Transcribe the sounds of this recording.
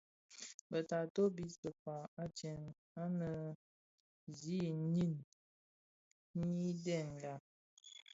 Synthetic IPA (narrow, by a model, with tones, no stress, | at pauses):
bə˨ta˨to˦bi˦sə˨fa˨a˦t͡ʃɛ˨n | a˦nə˨ | zi˦ni˦n˦ | ni˦dɛ˦˨n˨da˨